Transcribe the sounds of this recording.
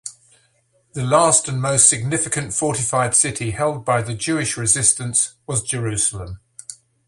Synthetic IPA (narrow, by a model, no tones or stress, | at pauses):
ðəlɑˑstə̃nməʊstsɪɡ̚nɪfɪkə̃ntfɔˑtɪfaɪd̥sɪtʰihɛlˠd̚baɪðəd͡ʒʉːɪʃɹɪzɪstə̃nswɒzd͡ʒəɹʉˑsələ̃m